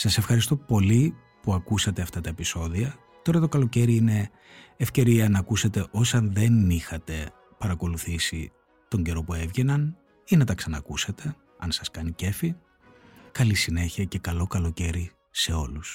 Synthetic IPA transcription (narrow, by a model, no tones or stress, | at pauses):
sɐse̞fxɐɾist̪o̞po̞li | puɐkusɐt̪e̞ɐft̪ɐt̪ɐepiso̞ðiɐ | t̪o̞ɾɐt̪o̞kɐlo̞ce̞ɾiine̞ː | fce̞ɾiɐnɐːkuset̪e̞ʔo̞sɐnðe̞nixɐt̪e̞ | pɐɾɐko̞luθisi | t̪o̞ɲɟe̞ɾo̞pue̞vʝe̞nɐn | inɐt̪ɐksɐnɐkuset̪e̞ | ɐnsɐskɐnice̞fi | kɐlisine̞çiɐce̞kɐlo̞kɐlo̞ce̞ɾi | se̞o̞lus